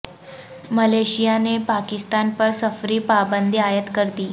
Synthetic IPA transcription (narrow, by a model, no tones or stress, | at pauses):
məleɕijanepakist̪anpəɾsəfɾiːpabənd̪ʱiajət̪kəɾt̪iː